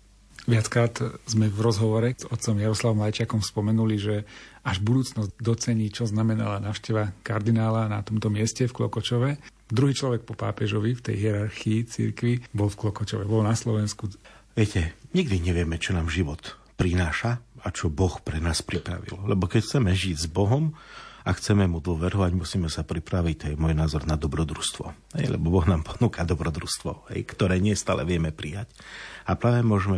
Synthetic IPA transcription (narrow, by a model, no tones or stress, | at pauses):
ʋɪat͡skɾaːt̪zmɛvɾɔzɦɔʋɔɾɛzɔt̪̚t͡sɔmjaɾɔslaʋɔmlajt͡ʃɪakɔmspɔmɛnuliʒɛaʒbud̪uːt͡snɔzd̪ɔt͡sɛɲiːt͡ʃɔznamɛna̰lanaːʊʃcɛʋakaɾd̪inaːlanat̪ɔmt̪ɔmɪɛscɛfklɔ̰kɔt͡ʃɔʋɛ | d̪ɾuɦiːt͡ʃlɔʋɛk̚pɔpa̰ːpɛʒɔʋift̪ɛ̰jɦɪɛɾaɾxiːt͡sḭɾkʋibɔlfklɔkɔt͡ʃɔʋɛbɔlnaslɔʋɛnskuʋɪɛcɛɲiɡd̪iɲɛʋɪɛmɛt͡ʃɔnaːmʒiʋɔt̪ | pɾinaːʃaat͡ʃɔbɔxpɾɛnaːspɾipɾa̰ʋḭllɛbɔkɛcxt͡sɛmɛʒiɟzbɔɦɔmaxt͡sɛmɛmud̪ʊɔʋɛɾɦɔʋaɟmusiːmɛsapɾipɾaʋic̚t̪ɔjɛmʊɔjnaːzɔɾnad̪ɔbɾɔd̪ɾust̪ʋɔ̰ɦɛ̰jlɛ̰bɔbɔɣnaːmpɔ̥nuːkad̪ɔbɾɔd̪ɾust̪ʋɔ̰ɦɛ̰jkt̪ɔɾɛːɲɪɛst̪aːlɛʋɪɛmɛpɾijacapɾaːʋɛmʊɔʒɛmɛ